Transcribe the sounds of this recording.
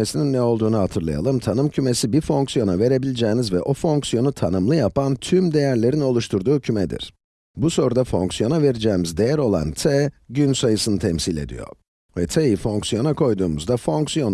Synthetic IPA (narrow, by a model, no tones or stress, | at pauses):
esininːɛolˠd̪uːnuɦat̪ʰɯɾlˠa̰ja̰lˠɯmt̪ʰanɯmcʰymesibiɾfo̞ŋksijo̞nave̞ɾe̞bilʲid͡ʒɛːnizvɛʔo̞fo̞ŋksijo̞nut̪ʰanɯmlˠɯjapant̪ʰymd̪e̞jæɾlʲe̞ɾino̞lˠuʃt̪ʰuɾd̪uːcʰymɛd̪ḭɾ̥ | buso̞ɾud̪afo̞̰ŋksijo̞nave̞ɾid͡ʒɛːmizd̪e̞jæɾo̞lˠa̰nt̪ʰɛɟynsajɯsɯnɯt̪ʰɛmsilʲe̞̰d̪ḭjo̞̰ | vɛt̪ʰejifo̞ŋksijo̞nakʰo̞jd̪uːmuzd̪afo̞ŋksijo̞n